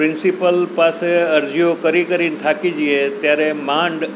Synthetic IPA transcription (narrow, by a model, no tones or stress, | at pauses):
ɾɪ̃nsipəlpaseəɾd͡ʒiokəɾikəɾint̪ʰakid͡ʒiet̪jaɾemãɳɖ